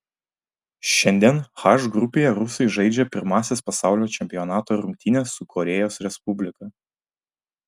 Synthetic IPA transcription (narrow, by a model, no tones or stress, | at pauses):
ʃʲɛnʲd̪ʲiɛnxɑʃɡɾʊpʲeːjɛɾʊsɐɪʒɐɪd͡ʒʲɛpʲɪɾmɑːsʲespɐsɑˑʊlʲoːt͡ʃʲɛmʲpʲɪjɔnɑːt̪oːɾʊŋʲk̚ʲt̪ʲiːnʲeːsʊkʰɔɾʲɛjoːsɾʲɛspʊbʲlʲɪkɐ